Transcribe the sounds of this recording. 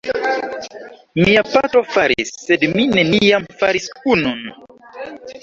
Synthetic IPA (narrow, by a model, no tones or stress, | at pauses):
miapatɾofaɾḭsːedminenijamfaɾiskunun